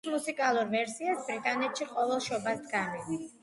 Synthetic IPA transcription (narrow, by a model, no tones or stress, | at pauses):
musikʼalˠuɾvɛɾsiasbɾit̪ʼanɛt̪ʃiqʼɔvɛlˠʃɔbasd̪ɡamivis